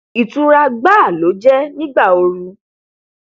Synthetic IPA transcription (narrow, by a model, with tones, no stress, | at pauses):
i˨tũ˧ɾa˧ɡ͡ba˦˨lo˨˦d͡ʒɛ˦nĩ˦ɡ͡ba˦˨o˧ɾũ˧